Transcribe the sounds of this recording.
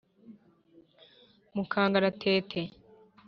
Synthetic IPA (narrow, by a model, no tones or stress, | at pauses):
mukʰaːŋɡaɾatʰeːtʰe